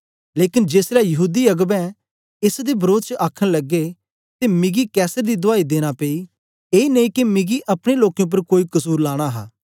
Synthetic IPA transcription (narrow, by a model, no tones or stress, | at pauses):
leːkɪnd͡ʒeːslɛjɐɦuːd̪iɐɡbɛ̃ | ɪsd̪ebɐɾoːd̪t͡ʃəʔaːkʰːəɽ̃lɐɡːe | t̪emɪɡikɛːsəɾd̪id̪ʊaːid̪eːɽ̃apeːi | eːnɐĩkimɪɡiʔɐpɽ̃eloːkjõp̬ɐɾkoːikɐsuːɾlaːɽ̃aɦa̰ː